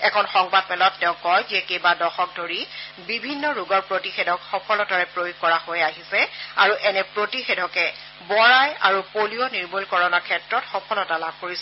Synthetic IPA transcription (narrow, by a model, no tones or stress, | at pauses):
ɛkʰɔnxɔŋbad̚pɛlɔtːɛʊ̃kːɔjziɛkejbadɔxɔk̚doɹibibʱinːɔɹuɡɔɹpɹotixedʱɔkxɔkʰɔlɔtaɹɛpɹojuɡ̚kɔɹaxojaɦisɛa̰ɹuʔɛnɛpɹotixedʱɔkɛ | bɔɹaja̰ɹupoliɔniɹmulkɔɹɔnakʰɛtɹɔtxɔkʰɔlɔtalab̚ʱkoɹisɛ